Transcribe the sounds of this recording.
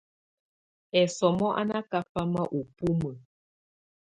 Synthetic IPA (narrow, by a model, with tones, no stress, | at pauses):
ɛ˨sɔ˨mɔ˦ʔa̰˦na˦ka˦fa˦ma˦ʔu˨pu˦mə˨